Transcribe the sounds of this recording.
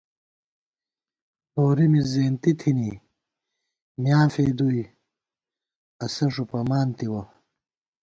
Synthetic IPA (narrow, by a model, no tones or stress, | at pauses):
hoːɾimizeːnt̪it̪ʰini | mjaːfeːd̪uj | ɐsɐʂ̬upɐmaːnt̪iwɐ